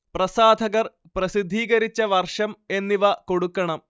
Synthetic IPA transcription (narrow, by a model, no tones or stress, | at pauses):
prɐsaːd̪ʱɐɣɐr | prɐsid̪ʱːiːɣɐɾit͡ɕːɐʋɐrʂɐme̞nːiʋɐko̞ɽukːɐɳɐm